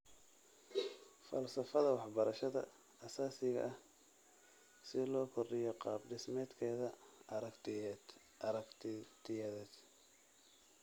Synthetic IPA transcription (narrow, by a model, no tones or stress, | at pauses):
fɐ̰lsɐfɐðɐwɑħbɐɾɐʃɐðɐ̰ | ɐsaːsɪɣɐ̰ʔɐh | sɪlɔːkʰɔrɖɪjɔqɑːbɖɪsmɛːd̪kʰɛːðɐ | t̪ʰɪjɛðɛːd̪